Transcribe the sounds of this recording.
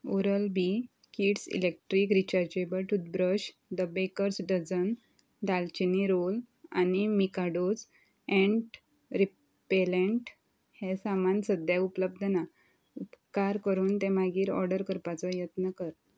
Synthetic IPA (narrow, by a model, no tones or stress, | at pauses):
oɾəlbi | kiːʈsḭlek̚ʈɾikɾit͡ɕaɾd͡ʑebəlʈud̪bɾəɕ | d̪əbekəɾsɖəd͡zən | d̪alt͡ɕiniɾol | a̰nimikaɖod͡z | ɛ̃ɳʈ | ɾi | pelẽɳʈ | hɛsamansəd̪jaupləb̚d̪ʱəna | upkaɾkəɾuːnt̪ẽmaɡiːɾɔ̰ɾɖəɾkəɾpat͡sɔjət̪nəkəɾ